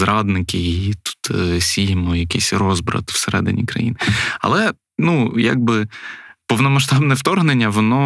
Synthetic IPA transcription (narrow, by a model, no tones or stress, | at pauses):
zɾɑd̪nɪkʲɪjɪjit̪u̥t̪sʲijɪmɔjɐkɪsʲrɔzbɾɐ̰t̪w̥seɾɛ̰d̪ɪ̰nʲḭkɾɐ̰jḭnɪɐ̰lˠɛ | nuja̰ɡ̚bɪpɔwnɔmɐʃt̪ɑbnɛwt̪ɔrɦnenʲːɐʋɔnɔ